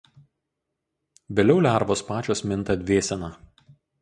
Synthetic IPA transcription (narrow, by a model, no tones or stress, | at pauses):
ʋʲeːlʲɛʊlʲæˑɾʋoːspɑːt͡ʃʲoːsmʲɪnt̪ɐd̪ʲʋʲeːsʲɛnɑː